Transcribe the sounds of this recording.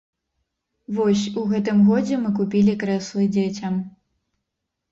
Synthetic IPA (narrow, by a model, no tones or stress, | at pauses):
vɔsʲuɣɛt̪ɨmɣɔd͡zʲɛmɨkupʲilʲikɾɛslˠɨd͡zʲet͡sʲɐm